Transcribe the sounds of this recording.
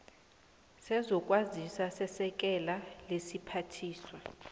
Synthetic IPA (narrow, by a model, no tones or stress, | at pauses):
sɛzɔk̬ʼwazisasɛsɛk̬ʼɛlalesipʰatʰiːswa